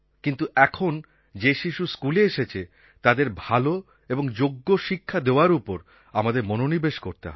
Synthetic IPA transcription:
kint̪uʔɛkʰon | d͡ʑeʃiʃuskuleeʃet͡ɕʰe | t̪ad̪eɾbʱalo | eboŋd͡ʑoɡːoʃikʰːad̪eoaɾupoɾ | amad̪eɾmononibeʃkoɾt̪eɦɔ̰

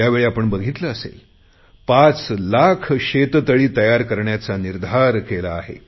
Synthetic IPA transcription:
jaʋeɭiapəɳbəɡʱit̪ləəsḛl | pat͡slakʰɕet̪t̪əɭiːt̪əjaɾkəɾɳjat͡saniɾd̪ʱaɾkelaːɦḛ

